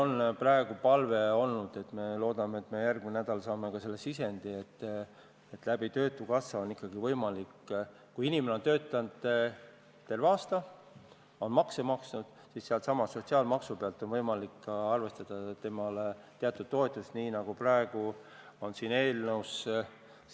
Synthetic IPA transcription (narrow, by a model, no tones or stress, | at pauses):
onprɑe̞ɡ̥upɑlve̞o̞lnud̪̥e̞t̪me̞lo̞ːd̪̥ɑmet̪ːme̞jærɡminæd̪ɑlsɑːme̞kɑse̞lːe̞sise̞nd̪̥ie̞t̪ː | et̪ːˑlæb̥it̪ø̞ːt̪ːˑukɑsːɑo̞nikːɑɡ̥ivɤ̞jmɑlikː | kujinimeneo̞nt̪ø̞ːt̪ːˑɑnd̪ | t̪ːe̞lvɑːst̪ɑ | o̞nmɑkse̞mɑksnud̪̥ | sisseɑlt̪sɑmɑssːo̞t̪ʲsiɑːlmɑksupeɑlt̪ːˑo̞nvɤjmɑlikːɑrve̞st̪ɑd̪̥ɑt̪e̞mɑlet̪eɑt̪ːˑud̪̥̚t̪o̞e̞t̪ˑːust̪niːnɑɡ̥uprɑeɡ̥uo̞nsine̞ːlnəws